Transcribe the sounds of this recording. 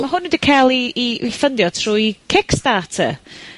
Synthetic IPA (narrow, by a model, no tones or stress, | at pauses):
maɦʊnwədikʰaːlˠiːifəndjɔtʰruːikʰɪkstaːtʰə̰